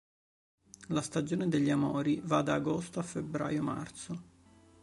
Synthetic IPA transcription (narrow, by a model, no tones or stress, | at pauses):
last̪ad͡ʒoːned̪eʎːiamɔ̰ːɾivad̪aːɡost̪oafːebːɾa̰ːjoma̰rt̪so